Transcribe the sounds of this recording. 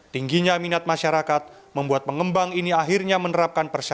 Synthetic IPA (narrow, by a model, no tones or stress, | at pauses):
t̪iŋɡiɲaminat̪̚maʃaɾakat̪̚ | məmbuat̪̚pəŋəmbaŋiniaɦirɲamənəɾap̚kanpərsa